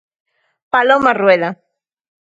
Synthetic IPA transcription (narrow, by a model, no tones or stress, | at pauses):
palomarweða